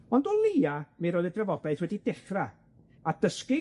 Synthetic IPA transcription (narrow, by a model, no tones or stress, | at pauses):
ɔndɔlˠiːamiɾoːðədrəvɔbɛɨθwɛdidɪχra | ad̥əskɪ